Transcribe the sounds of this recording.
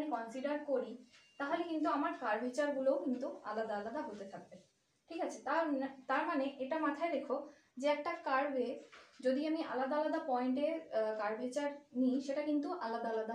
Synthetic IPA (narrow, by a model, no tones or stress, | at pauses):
mikɔnsiɖaɾkoɾit̪aɦolekint̪̬uamaɾkaɾbʱet͡ɕaɾɡulowkint̪ua̰lad̪aalad̪aɦot̪et̪ʰak̚be | ʈʰikat͡ɕʰet̪aɾt̪aɾmaneʔeʈamat̪ʰaed̪ekʰo | d͡ʑeɛk̚ʈakaɾbesd͡ʑod̪iamiʔa̰lad̪aalad̪apɔeɳʈeɾkaɾbʱit͡ɕaɾniʃeʈakint̪uʔalad̪aalad̪a